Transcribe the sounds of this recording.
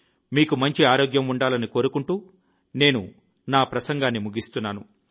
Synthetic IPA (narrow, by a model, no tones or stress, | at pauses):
miːkumɐɲt͡ʃiaːɾo̞ːɡjɐmuɳɖaːlɐniko̞ːɾukuɳʈuː | ne̞ːnṵ | naːpɾɐsɐŋɡaːnːimuɡist̪unːaːnu